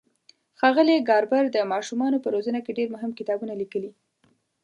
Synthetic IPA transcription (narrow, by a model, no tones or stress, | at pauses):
xɑɣəliɡɑɾbaɾd̪əmɑʃumɑnopəɾozənakeɖeɾmʊɦɪmkɪt̪ɑbunalikəli